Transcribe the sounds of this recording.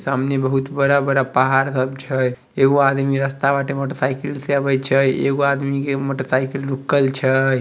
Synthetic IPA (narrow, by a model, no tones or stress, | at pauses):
samnebəɦut̪bəɽabəɽapaɦaɾsəbt͡ʃʰəj | eɡoad̪miɾəst̪abaʈeməʈsajkilseabət͡ʃʰəjḛɡoad̪mikeməʈsaikilːukəlt͡ʃʰəj